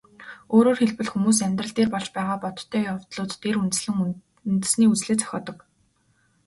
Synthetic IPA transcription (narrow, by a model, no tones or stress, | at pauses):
oːɾoːrxeɮpɘ̆ɮxumuːs̬æmʲt̪rə̆ɮt̪eːrpɔɮt͡ɕpæːʁaːpɔt̪̆ʰt̪ʰːœːjawt̪ɮʊːt̪ːʰeɾunɘ̆ŋ | nt̪ɘ̆sniːut͡sɮeːt͡sʰɔ̥xʲɔːt̪ɞ̆k